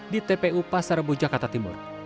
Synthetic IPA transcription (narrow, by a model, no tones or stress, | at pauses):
dit̪ɛpeupasaɾəbud͡ʒakart̪at̪imʊ̰r